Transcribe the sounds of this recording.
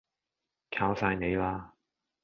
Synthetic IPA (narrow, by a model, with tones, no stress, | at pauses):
kʰaː˧wsaː˧jne˨˧jlaː˧